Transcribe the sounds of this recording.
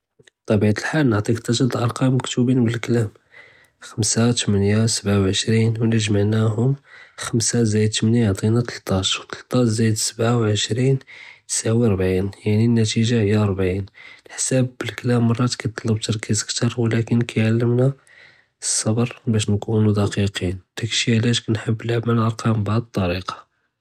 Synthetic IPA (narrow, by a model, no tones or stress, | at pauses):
t̪ˤːɑbiʕat̪əlħalnəʕt̪ˤikt̪ɑʒəd̪lʔɑɾˤqɑmːəkt̪ubinbəlklæm | xəmsat̪əmənjasəbʕawʕəʃɾinwnəʒməʕnæɦʊmxəmsazæjd̪̚t̪ːəmənjʕt̪ˤinat̪əlt̪ˤːɑʃwt̪ə̥lt̪ˤɑʃzæjəd̪səbʕawʕəʃɾint̪ə̥sʕwiɾˤbʕinjaʕninːæt̪iʒahəjːaɾˤbʕinlħsæbːəlkəlæmːɑrˤːɑt̪kæjt̪ˤːlːəb̚t̪əɾˤkʰizəkt̪ɑɾˤwlækənkʰæjʕalːəmna | sˤːɑbɾˤbæʃ̬nkunud̪æqiqind̪̥ækəʃiʕlæʃkænħəbːəlʕməlʔɑɾˤqɑmbaʕd̪ət̪ˤːɑɾiqɑ̥